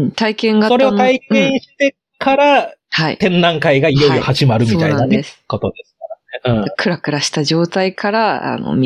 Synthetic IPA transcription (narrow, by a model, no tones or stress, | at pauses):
t̪aikẽ̞ŋɡaso̞ɾeont̪aikẽ̞ɰ̃ɕi̥t̪e̞ | kaɾahaḭt̪ẽ̞nːãŋkaiɡaijo̞iohaʑimaɾɯ̟mʲit̪a̰iananesɨ̥ko̞t̪o̞d̪e̞sɨ̥kaɾaneɯ̟̃ːkʰɯ̟ɾakɯ̟ɾaɕi̥t̪aʑo̞ːt̪aikʰaɾaa̰no̰mʲi